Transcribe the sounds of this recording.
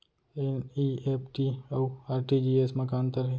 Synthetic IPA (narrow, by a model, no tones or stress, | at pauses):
enieːp̚ʰʈiouaːɾʈid͡ʒieːsmə̃kaːnt̪əɾɦe